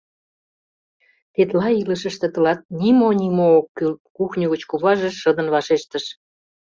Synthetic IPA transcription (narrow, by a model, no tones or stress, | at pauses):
t̪et̪lɑiləʃə̆ʃt̪ĕt̪ə̆lɑt̪̚nʲimonʲimoːkkuxnʲuɣət͡ɕkuβɑʒeʃɤd̪ə̆nβɑʃeʃt̪əʃ